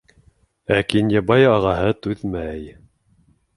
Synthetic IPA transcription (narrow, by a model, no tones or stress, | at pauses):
ækinjɑbɑjɑʁɑɦɤt̪ʉðmæj